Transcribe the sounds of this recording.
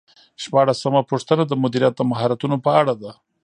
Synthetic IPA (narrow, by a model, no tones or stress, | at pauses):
ʃpɑɽasːəmapuʂt̪ənad̪əmʊd̪iɾjat̪̚d̪əmaɦɑɾat̪unopəaɽad̪a